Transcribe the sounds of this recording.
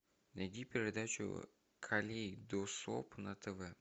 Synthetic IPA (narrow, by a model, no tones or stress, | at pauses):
nɐɡ̪ʲipʲɪɾʲɪd̪at͡ɕʊ̰ | kʰɐlʲejd̪oso̰pnɐt̪ɛvɛ